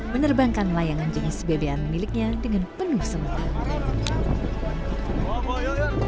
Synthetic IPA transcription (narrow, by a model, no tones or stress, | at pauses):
mənərbaŋkanlajaŋand͡ʒəŋansəbebeanmilɪk̚ɲadəŋanpənuhsəma